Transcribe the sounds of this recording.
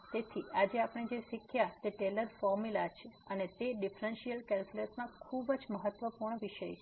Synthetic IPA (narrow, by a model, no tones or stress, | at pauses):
t̪et̪ʰiad͡ʒeapɳ̃ed͡ʒeʃikʰjat̪eʈeləɾfɔɾmilat͡ʃʰeənet̪eɖifɾənʃijəlkɛlkulesnãkʰubəd͡ʒməɦət̪ʋəpuɾɳ̃ʋiʃəjʰ